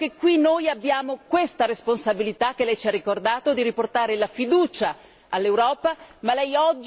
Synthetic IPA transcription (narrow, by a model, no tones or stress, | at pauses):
kekːwinojabːjaːmokwest̪aɾesponsabilit̪ak̟ːelɛjt͡ʃiarːikord̪aːt̪od̪iɾiport̪aːɾelafid̪uːt͡ʃaː | lːewɾɔːpamalɛjɔd͡ʒː